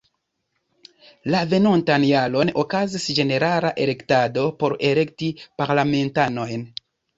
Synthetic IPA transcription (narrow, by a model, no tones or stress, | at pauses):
lave̞no̞ntanjalo̞no̞kazisd͡ʒe̞ne̞ɾalaʔe̞le̞ktado̞po̞ɾe̞le̞ktipaɾlame̞ntano̞jn